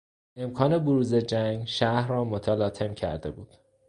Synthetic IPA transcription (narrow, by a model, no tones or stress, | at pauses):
e̞mkʰɒːne̞boɾuːze̞d͡ʒæŋɡʃæhrɒːmot̪ʰælɒːt̪ʰe̞mcʰæ̰ɾd̪e̞buːd̪̥